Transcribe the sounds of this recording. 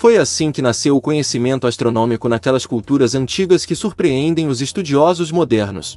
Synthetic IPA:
fojasĩkɪnasewʊkõɲesimẽnt̪ʊast̪ɾonõmikʊnakɛlɐskult̪uɾɐzɐ̃nt͡ʃiɡɐskɪsuɾpɾeẽnd̪ẽj̃ʊzɪst̪ud͡ʒiɔzʊzmod̪ɛɾnʊ̰s

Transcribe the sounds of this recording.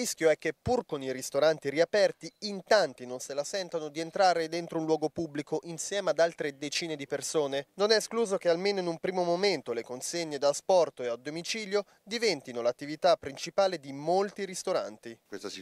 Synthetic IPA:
risk̟joɛkːepːurkonirist̪oɾant̪iɾiapɛrt̪iint̪ant̪inonselasɛnt̪anod̪ient̪ɾaːɾed̪ent̪ɾounlwɔːɡopubːlikoʔinsjɛːmead̪alt̪ɾed̪et͡ʃiːned̪ipersoːnenonɛskluːzok̟ealmeːnoinumpɾiːmomoment̪olekonseɲːed̪aspɔrt̪oead̪ːomit͡ʃiːljo | d̪ivɛnt̪inolat̪ːivit̪apːɾint͡ʃipaːled̪imolt̪iɾist̪oɾa̰nt̪ikwest̪

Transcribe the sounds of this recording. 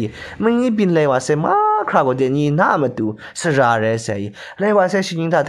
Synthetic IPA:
imɪ̃ɲibinlɛwasɛmakʰɹaɡot̪ɪ̃ɲina̰mət̪u | səɹaɾɛsɪaji | lɛwasɛʃiɲĩt̪ʰat̪ʰ

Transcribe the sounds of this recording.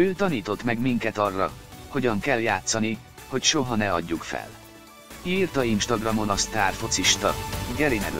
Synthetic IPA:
øːt̪ɒniːt̪o̞t̪mɛɡmiŋkɛt̪ɒrːɒ̰ho̞ɟɒŋkɛlːjaːt̪sɒni | ho̞cʃo̞ɦɒnɛɒ̰ɟːukfɛ̰l | iːrt̪ɒinʃt̪ɒɡrɒmo̞nɒst̪aːrfo̞t̪siʃt̪ɒ̰ɡɛɾinɛɡ

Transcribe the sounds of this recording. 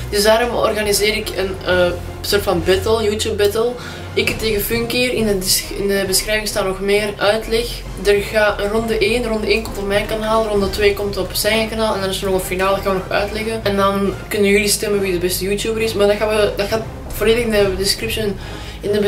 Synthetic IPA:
d̥ʏsdaːɾɔmɔ̰rɣanizeːɾɪkənəː | soːrtfɑnbɛtəlˠjuːtjuːp̚bɛtəlˠ | ɪkəteːɣəfʏŋkɪːɾɪnədɪsɪndəbəsxɾɛːvɪŋstaːtnɔxmeːrʔœɥtlɛx | dərɣaːərɔndəʔeːnərɔndəeːnkɔmtɔpmɛjnkanaːlˠrɔndətweːkɔmtɔpsɛəkanaːlˠɛndɑnɪsənɔɣənfinaːlˠəɣaːnʋənɔxœ̰ɥtlɛɣəɛndɑnkʏnənjʏlistɛmənʋidəbɛstəjuːtjuːbəɾɪsmaːrdɑxaːʋədɑxaːt | vorleːdəɣɪndədɪskrɪpsən | ɪnə

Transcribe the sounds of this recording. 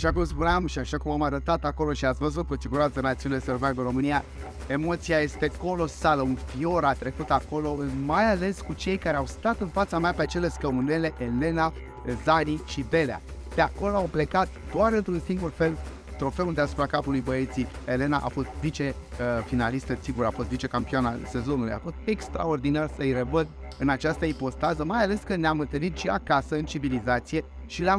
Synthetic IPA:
aʃakumspunamʃiaʃakumamaɾət̪at̪ako̞lo̞ʃiat̪svəzut̪̚kəsiɡuɾansənat̪siuneleservaɡ̪unɾo̞mɨnija | e̞mo̞t̪sijaje̞st̪e̞ko̞lo̞saləunfio̞ɾat̪ɾe̞kut̪ako̞lo̞majale̞skut͡ʃe̞jkaɾeawst̪at̪ɨnfat̪sameapeat͡ʃe̞le̞skəmune̞le̞ʔele̞na | zaniʃid̪e̞lea̰d̪̥eako̞lo̞awple̞kat̪̚d̪̥oaɾɨnt̪ɾunsiŋɡurfe̞l | t̪ɾo̞fe̞und̪easu̥pɾakapulujbəit̪siele̞naʔa̰fo̞st̪vit͡ʃe̞ | finalist̪əsiɡuɾafo̞st̪vit͡ʃe̞kampianase̞zo̞nuluja̰fo̞st̪e̞kst̪ɾa̰o̞rd̪inarsəjrevəd̪ | ɨnat͡ʃast̪əipo̞st̪azəmajale̞skɨnnamɨnt̪əɾit̪ʃiakasəɨnt͡ʃivilizat̪sije̞ | ʃileam

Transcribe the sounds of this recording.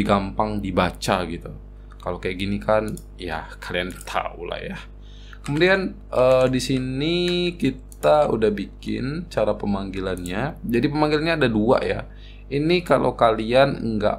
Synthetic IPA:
iɡampaŋdibat͡ʃaɡit̪u | kalakajaʔɡinikan | jakʰaliant̪ʰa̰ṵla̰hja | kəmudian | ʔədisinikit̪audahbikɪ̰nt͡ʃaɾapəmaŋɡilanɲad͡ʒadipəmaŋɡilanɲaːdadua̰ʔja̰ | inikalʔo̰wkalianŋɡa̰

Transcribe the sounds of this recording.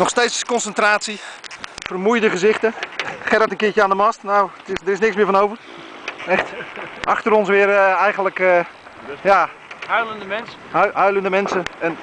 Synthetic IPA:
nɔχxsteːtskɔnsəntraːtsifərmujdəχəzɪxtəχɛɾətənkɪət͡ʃəaːndəmɔstnowtɪsdərɪsnɪksmɪːəfɔnowvər | ɛxtʔɑxtəɾɔnsʋɪərɛjɣəndlək | jaː | hœɥləndəmɛnsəhɦœɥləndəmɛnsəɛn

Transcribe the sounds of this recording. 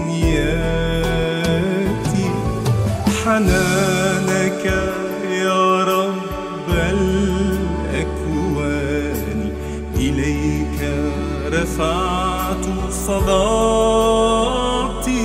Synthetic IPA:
nja | t̪i | ħanaːnaka | jɑɾˤɑb | bːal | ʔakwa | ni | ʔɪlajka | ɾˤɪfaːʕ | t̪ | sˤɑdɑ | t̪

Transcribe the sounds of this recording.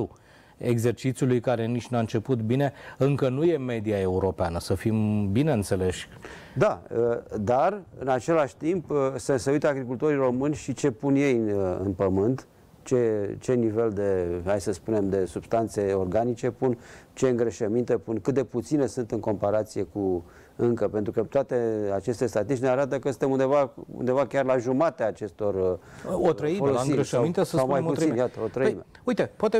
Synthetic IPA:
u | eɡze̞rt͡ʃit̪sʲjulujkaɾe̞nit͡ʃʲnaɨnt͡ʃe̞put̪bine̞ɨŋkənuje̞me̞d̪iae̞uɾo̞peanəsəfimbine̞ɨnt̪se̞le̞ʃʲ | d̪aəd̪arɨ̰nat͡ʃe̞laʃʲt̪impseseujt̪əaɡɾikult̪o̞ɾiro̞mɨnʲʃit͡ʃe̞punje̞jɨ̰npəmɨnt̪ | t͡ʃe̞t͡ʃe̞nive̞ld̪e̞hajsəspune̞md̪e̞sub̥st̪ant̪se̞o̞rɡanit͡ʃe̞punt͡ʃe̞ɨŋɡɾəʃəmint̪e̞punkɨt̪̚d̪e̞put̪sine̞sunt̪ɨŋko̞mpaɾat̪sije̞ku | ɨŋkəpe̞nt̪ɾukət̪oat̪e̞at͡ʃe̞st̪e̞st̪at̪isneaɾat̪əkəsɨnt̪emund̪evaṵnd̪e̞vakʲarlaʒumat̪eaːt͡ʃe̞st̪o̞rot̪ɾəifoloiɡmɾʃaint̪esəsawmajut̪injat̪əot̪ɾəime | ujt̪epoat̪e

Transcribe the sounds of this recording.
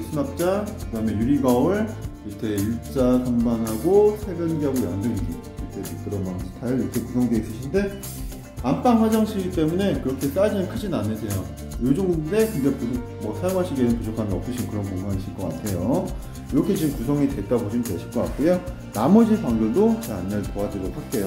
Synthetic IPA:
sʰunap̚t͡ɕ͈akɯdame̞juɾiɡaɯɭiɾʌtʰejut͡ɕ͈asʰʌŋbaŋɦaɡosʰeɡjʌnɡiɦaɡojandɯɡiɡi | ʌtʰeek͈ɯɾʌnansʰɯ̥tʰaɯiɾʌkʰe̞kusʰʌŋdeis͈ɯɕʰinde̞ | amp͈aŋɸwad͡ʑʌŋɕʰiɡit͈e̞mune̞kɯɾʌkʰe̞s͈ad͡ʑinɯnkʰɯd͡ʑinanːɯsʰe̞jo | jod͡ʑoŋɯnde̞kɯndapuso | mwʌsʰajoŋɦaɕʰiɡenɯnpud͡ʑʰokʰanɯnʌpt͈ʰɯɕʰinɯkɯɾʌnkoŋɡaniɕʰiɭk͈ʌk͈a̰tʰe̞jo | iɾʌkʰe̞t͡ɕiɡɯmkusʰʌŋite̞t͈aboɕʰinɯntweɕʰi̥ɭk͈ʌk͈at̚k͈ujo | namʌd͡ʑikwaŋɡoɭdot͡ɕea̰nːeɭtoadɯɾopʰak͈e̞jo

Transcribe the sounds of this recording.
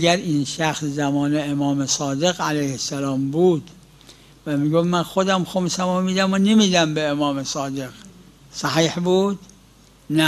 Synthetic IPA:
æɡæɾiːnʃæxszæmɒːneemɒːmesɒːd̪eɣælæjhesːælɒːmbuːd̪ | væmiːɡofmænxod̪æmxomsæmomiːd̪æmonemiːd̪æmbeːmɒːmesɒːd̪eɡ | sæhiːhbuːd̪̥ | næ

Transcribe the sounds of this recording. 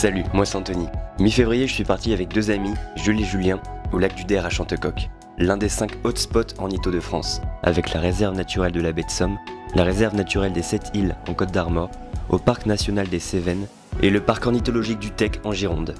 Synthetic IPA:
salymwasɛ̃t̪ɔnimɥifevʁijeʒəsɥipaʁt̪iavɛk̚d̪øzamiʒyleʒyljɛ̃olak̚d̪yd̪ɛʁaʃɑ̃t̪əkɔk | lɛ̃d̪esɛ̃kot̪spɔt̪ʰɑ̰̃nit̪od̪əfχɑ̰̃sa̰vɛklaʁezɛʁvənat̪yʁɛld̪əlabɛt̪sɔmlaʁezɛʁvnat̪yʁɛld̪esɛt̪ʰilɑ̰̃kɔt̪̚d̪aʁmɔʁ | opaʁknasjɔnald̪esevɛn | eləpaʁkɑ̃nit̪ɔlɔʒik̚d̪yt̪ɛkɑ̃ʒiʁɔ̃d̪

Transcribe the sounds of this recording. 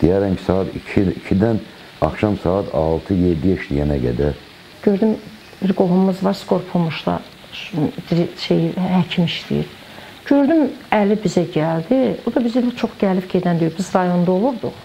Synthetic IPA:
d̪̥ijæɾæmcʰi̥sɑːɑt̪iicʰid̪æn | ɑxʃɑmsɑːt̪ʰɑlˠt̪ʰɯjed̪ːijeʃt̪ijænæɡæ̰d̪æɾ | ɟ̥øɾd̪ym | biɾɡo̞ɦummuzvɑɾsko̞ɾpʰulˠmuʃlˠɑ̰ | biɾʃejhæcʰimiʃt̪ḭḭɾ | ɟø̞ɾd̪ymælibizæɟæld̪ibud̪ɑbizilæt͡ʃʰo̞χɟælifɟed̪ænd̪yoɾbizɾɑjo̞nd̪ɑo̞lˠubd̪uχ

